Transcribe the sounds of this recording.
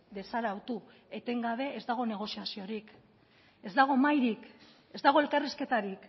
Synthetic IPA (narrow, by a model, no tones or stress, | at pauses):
d̪e̞saɾawt̪u | e̞t̪e̞ŋɡaβ̞e̞ʔezd̪aɣ̞o̞ne̞ɣ̞o̞siasio̞ɾik | e̞zd̪aɣ̞omajɾik | e̞zd̪aɣ̞o̞e̞lkariske̞t̪aɾik